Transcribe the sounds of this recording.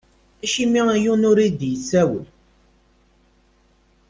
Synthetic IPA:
æʃimiæjunʊɾid̪jət͡sːæwə̰l

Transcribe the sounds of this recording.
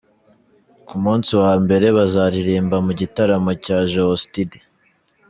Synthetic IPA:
kumuːnsiwambe̞ɾe̞βazaɾiɾiːmbamuɟitaɾamocaʒoostidi

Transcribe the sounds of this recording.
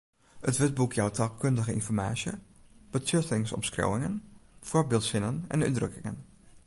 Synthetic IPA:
ətʋɪt̚bukʰjɔwtʰalkʰøndəɣəinfɔɹmaːsjə̰ | b̥ətøtɪŋsɔ̰mskro̰wɪŋənfɔrbɪlˠtsɪnənɛ̰ny̰drø̰kɪŋə̰n

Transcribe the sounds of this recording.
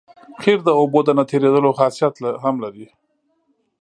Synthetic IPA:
xeɾd̪əobod̪ənat̪ʰeɾed̪əloxɑsjat̪laɦamlaɾi

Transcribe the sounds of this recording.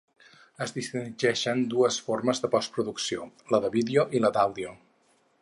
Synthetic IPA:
əzðist̪inʒɛʃənd̪uəsforməzðəpɔst̪pɾuðuksioləðəβiðeoʔiləd̪awðio

